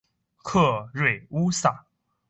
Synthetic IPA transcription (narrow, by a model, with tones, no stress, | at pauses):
kʰɤ˥˧ɻwe˨˩ɪu˥sa˥˩˦